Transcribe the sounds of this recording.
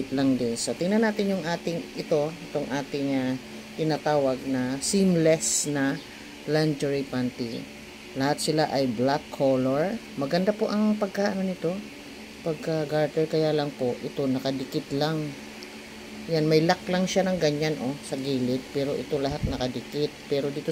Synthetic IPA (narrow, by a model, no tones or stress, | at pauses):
ɪt̪laŋd̪ɪnsɐt̪ɪŋnɐnaːt̪ɪnjʊŋʔaːt̪ɪŋɪt̪o̞ɪt̪oŋʔaːt̪ɪŋɐ | t̪ɪnat̪aːwɐɡ̚nɐsimlɛsnɐ | land͡ʒɛɹɪpant̪ɪ | lɐhat̪̚sɪlaʔɐjblakʰːoloɹ | mɐɡɐnd̪apoʔɐŋpɐɡ̚kaːʔɐnonːɪt̪o̞ | pɐɡ̚kaɡaɹt̪ɛɹkɐjaːlɐŋpo̞ʔʔɪt̪o̞nɐkɐd̪ɪkɪt̪laŋ | janmɐjlaklɐŋʃanɐŋɡɐɲanʔo̞sɐɡiːlɪt̪̚pɛːɾo̞ʔɪt̪o̞lɐɦat̪̚nɐkɐd̪ɪkɪt̪̚pɛːɾo̞d̪iːt̪o